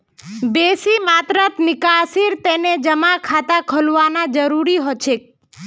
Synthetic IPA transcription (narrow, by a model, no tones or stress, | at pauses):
besimat̪ɾət̪nɪkasiɾt̪ened͡ʒəmakʰat̪akʰəlʋanad͡ʒəɾuɾiɦot͡ʃʰek̚